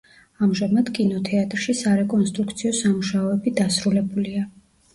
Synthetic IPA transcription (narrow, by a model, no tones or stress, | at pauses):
amʒamad̪kʼinɔt̪ʰɛat̪ʼɾʃisaɾɛkʼɔnst̪ʼɾukʰt̪sʰiɔsamuʃaɔɛbid̪asɾulɛbulia